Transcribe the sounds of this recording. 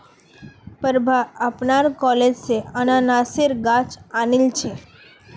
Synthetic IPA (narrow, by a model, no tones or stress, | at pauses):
pəɾbʱaapnaɾkɔled͡ʒseənanaseɾɡat͡ʃanilt͡ʃʰe